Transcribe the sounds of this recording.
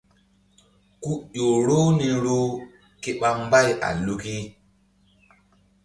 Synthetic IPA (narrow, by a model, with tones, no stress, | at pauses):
ku˦ʄo˨ɾo˦ni˦ɾo˦ | ke˦ɓa˦m˦ba˦jʔa̰˨lu˦ki˦